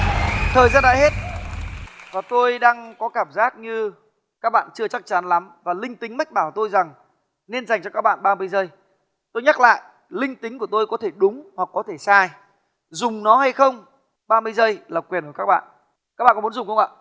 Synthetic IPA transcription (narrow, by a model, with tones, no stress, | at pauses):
t̪ʰəː˨˩jzaː˧nɗa̰ː˧˨he˦˥t̚ | vaː˨˩t̪o˧jɗaː˧ŋkɔ˨˦kaː˧˩mzaː˦˥t̚ɲɨ˧ | kaː˦˥k̚ɓa̰ː˧˨nt͡ɕɨ˧ət͡ɕa˦˥k̚t͡ɕa˨˦nla˨˦mvaː˨˩lï˧ŋt̪ï˨˦ŋ̟ma˦˥jk̚ɓaː˧˩wt̪o˧jza˨˩ŋ | ne˧nza˨˩jŋ̟t͡ɕɔ˧kaː˦˥k̚ɓa̰ː˧˨nɓaː˧mɨ˧jzə˧j | t̪o˧jɲa˦˥k̚la̰ː˧˨j | lï˧ŋ̟t̪ï˨˦ŋ̟ku˧˩ət̪o˧jkɔ˨˦t̪ʰe˧˩ɗʊ˨˦ŋ͡mhwa˨˩kːɔ˨˦t̪ʰe˧˩saː˧j | zʊ˨˩ŋ͡mnɔ˨˦ha˧jxə˧wŋ͡m | ɓaː˧mɨ˧jzə˧jlaː˨˩kwi˨˩ənku˧˩kaː˦˥k̚ɓa̰ː˧˨n | kaː˦˥k̚ɓa̰ː˧˨kɔ˦m˨˦nzʊ˨˩ŋ͡mxə˧wŋ͡ma̰ː˧˨